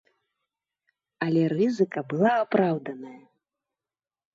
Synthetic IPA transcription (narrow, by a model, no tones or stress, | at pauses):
ɐlʲɛrɨzɨkɐbɨlˠaːpɾawd̪ɐnɐjɐ